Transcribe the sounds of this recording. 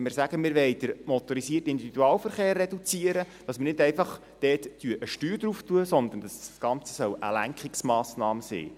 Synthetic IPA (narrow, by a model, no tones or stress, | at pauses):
mɪːɾsæɡ̥əmɪːɾʋɛɪd̥əɾmɔt̪ɔɾisiːətɪnd̪ividuɑːlfəɾχeːrːɛdut͡siəɾə | d̥ɑsmənɪdɛɪjfɑχ | d̥ɛːtːyəʔəʃtyːɾd̪ɾuftuəsɔnd̪ən̩dɑssɡ̥ɑnt͡sə̥sœwʔə̰læŋkχɪksmɑːsnɑːməsḭː